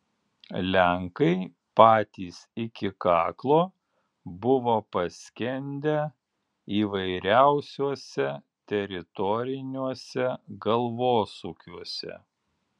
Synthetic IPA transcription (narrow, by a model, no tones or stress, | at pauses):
lʲæŋkɐɪ | pɑːt̪ʲiːsɪkʲɪkɑːklˠoː | bʊʋoːpɐsʲkʲɛnʲd̪ʲɛ | iːʋɐɪɾʲæˑʊsʲuɔsʲɛ | t̪ʲɛɾʲɪt̪ɔɾʲɪnʲuɔsʲɛɡɐlˠʋoːsʊkʲuɔsʲɛ̰